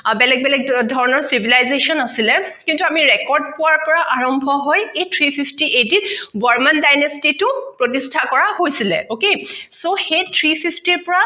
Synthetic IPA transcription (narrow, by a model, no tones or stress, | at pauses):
bɛlɛk̚bɛlɛk̚dʱɔɹɔnɔɹsibʱilajzesɔnasilɛkintuamiɹɛkɔɹd̚pʊwaɹpɔɹaʔaɹɔmbʱɔɦɔjejtʰɹipʰipʰtiʔetitbɔɹmandajnestitʊpɹotistʰakɔɹaɦojsilɛ̰ʔokesoxejtʰɹipʰipʰtiɹpɔɹa